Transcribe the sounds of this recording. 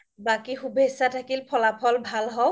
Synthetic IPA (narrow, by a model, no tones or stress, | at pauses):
bakixubesatʰakilpʰɔlapʰɔlbʱalɦɔw